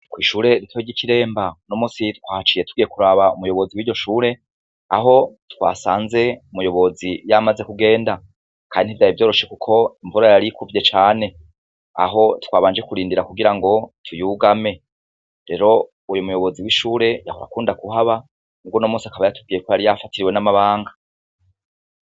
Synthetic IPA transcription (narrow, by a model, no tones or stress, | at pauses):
kwiːʃuːɾe̞ɾitwoiɟiciɾe̞ːmbano̞muːsitwaːht͡ʃiːje̞tu̥ɡiːje̞kuɾaβaumujo̞βo̞ziwiːɟo̞ʃuːɾe̞ | aɦo̞twa̰ːsaːnze̞umujo̞βo̞zijamaze̞kuɡe̞ːnda | kʰaːndinivjajivjoːɾo̞ʃe̞kukʰo̞iɱvuɾajaɾikuvjet͡ʃaːne̞ | a̰ɦo̞twaːβaːnd͡ʒe̞kuɾiːndiɾakuɡiɾaŋɡo̞tʰujuɡame̞ | ɾe̞ɾo̞ | ujumujo̞βo̞ziwiʃuːɾe̞ja̰hoɾa̰kuːndakuɦaβa | uɡonomuːsiakaβajatuv̚ɡiːjekwojaɾijafatʰiɾiwe̞namaβaːŋɡa